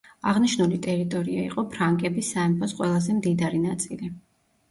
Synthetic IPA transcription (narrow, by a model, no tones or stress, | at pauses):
aʁniʃnulit̪ʼɛɾit̪ʼɔɾiaḭqʼɔpʰɾaŋkʼɛbisaɛmpʰɔsqʼwɛlˠazɛmd̪id̪aɾinat̪sʼili